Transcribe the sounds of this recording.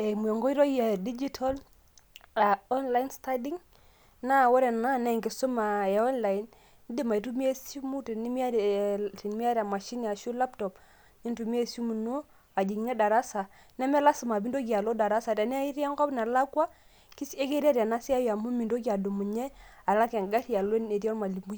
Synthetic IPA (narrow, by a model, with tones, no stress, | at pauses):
ɛ˨mu˨ɛ˨ŋɡɔ˦i˦ɾɔ˦ja˨di˦d͡ʒi˦tʰa˦l | a˨ɔ˦nla˦insta˦di˦ŋ | na˦˨wɔ˦ɾɛ˨na˦nɛ˨ŋɡɪ˨su˦ma˨ɛ˨ɔ˦nla˨i˨˦n˦ | dɪ˦ma˨i˨tu˦mi˦e˦su˦mu˦te˨ni˦mi˦a˦˨ti˨n˨˦mi˦a˦ɾa˨ma˨ʃi˦n˦a˨ʃu˦la˦ptɔ˨p | ni˦n˦tu˨mi˦e˦su˦mu˨nu˦ | a˨d͡ʒi˨ŋ˦ɲɛ˦da˨ɾa˦sa˨ | nɛ˦mɛ˦la˦su˨ma˨bi˦ndo˦ɡa˨lo˦da˨ɾa˦sa˨ta˨n˦a˦i˦ɾa˦ŋkɔ˦pna˨la˦kwa˦ | ki˦se˦ke˦ɾi˦a˦ɾa˨na˦si˦a˦ja˨mu˦mi˨ndo˦ɡi˦a˨du˨mu˨ɲɛ˦a˨la˦kɛ˨ŋ˨ɡa˦ɾi˨a˨le˦ne˨ɾja˦nma˨li˨mu˦